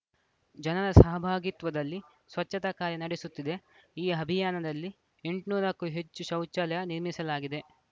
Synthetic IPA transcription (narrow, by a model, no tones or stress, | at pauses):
d͡ʒɐnɐɾɐsɐɦɐbʱaːɡit̪ʋɐd̪ɐlːi | sʋɐt͡ʃːɐt̪ɐkaːɾjɐnɐɽesut̪ːid̪e̞iːɐbʱijaːnɐd̪ɐlːi | e̞ɳʈnuːɾɐkːuɦe̞t͡ʃːuʃɐwt͡ʃːɐlɐjɐniɾmisɐlaːɡid̪e̞